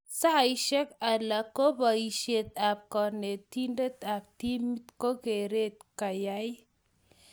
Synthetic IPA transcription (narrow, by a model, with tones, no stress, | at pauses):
sa˦a˨i˦ʃɛ˦ka˨la˨ko˦ba˨i˨ʃe˨t̪a˨p̚kɔ˨ne˨t̪i˦nde˦t̪a˨p̚t̪i˦mi˦t̪ko˦ke˨ɾe˦t̪̚ka˨ja˦j